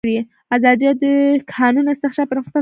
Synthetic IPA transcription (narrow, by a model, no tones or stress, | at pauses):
ɽi | azɑd̪jad̪əkʰɑnunɪst̪ɪxʃɑpəɾmxt̪a